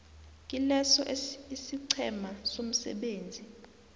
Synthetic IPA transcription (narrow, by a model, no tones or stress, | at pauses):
k̬ʼilɛsɔ̰ʔisiǀʰɛmasom̩sɛ̰ɓeːnd͡zʱi